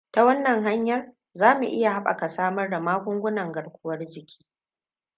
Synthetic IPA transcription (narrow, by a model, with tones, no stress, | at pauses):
ta˦wɐ˦nːɐ˨ŋɦa˦ɲjɐ˦r | zaː˦mu˨ʔɪ˦ja˨ha˦ɓa̰˨ka˨saː˦mɐ˦rda˨maː˦ɡʷʊ˦ŋɡʷʊ˦nɐ˨ŋɡɐ˨ɽkʷʊ˦wɐ˦rd͡ʒɪ˨kʲʰi̥ː˦